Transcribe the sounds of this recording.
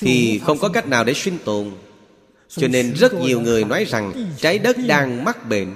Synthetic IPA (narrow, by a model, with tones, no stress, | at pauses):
t̪ʰi˨˩xə˧wŋ͡mkɔ˨˦ka˦˥jk̚naː˨˩wɗe˧˩swi˧nt̪o˨˩n | t͡ɕɔ˧ne˧nzə˦˥t̚ɲi˨˩əwŋɨ˨˩əjnɔ˨˦jza˨˩ŋt͡ɕaː˨˦jɗə˦˥t̚ɗaː˧ŋma˦˥t̚ɓḛ˧˩n